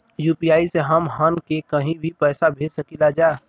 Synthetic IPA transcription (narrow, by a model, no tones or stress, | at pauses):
juːpiaːiseɦɐmɦənkekɐɦĩbʱipɛːsabʱeːd͡ʒsəkilad͡ʒaː